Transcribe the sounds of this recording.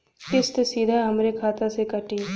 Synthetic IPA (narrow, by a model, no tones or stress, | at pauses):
kɪst̪siːd̪ʱaɦɐmɾekʰaːt̪asekɐʈiː